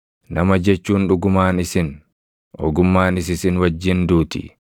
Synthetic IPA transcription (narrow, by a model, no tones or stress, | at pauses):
nɐmɐd͡ʒɛt͡ʃːuːnᶑʊɡʊmaːnɪsɪn | ʔɔ̰ɡʊmːaːnɪs̬ɪsɪnwɐd͡ʒːɪnd̪uːt̪ɪ̰